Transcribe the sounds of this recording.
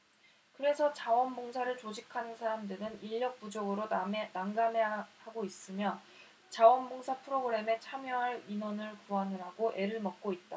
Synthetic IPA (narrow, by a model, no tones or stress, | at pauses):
kɯɾe̞sʰʌt͡ɕawʌnboŋsʰaɾɯɭt͡ɕod͡ʑikʰanɯnsʰaɾamdɯɾɯniʎːʌk̚p͈ud͡ʑʌɡɯɾonaŋɡamehaɡois͈ɯmjʌ | t͡ɕawʌnboŋsʰapʰɯɾoɡɯɾe̞me̞t͡ɕʰamjʌɦaɾinwʌnɯɭkuanɯɾaɡoʔe̞ɾɯɭmʌk̚k͈oit̚t͈a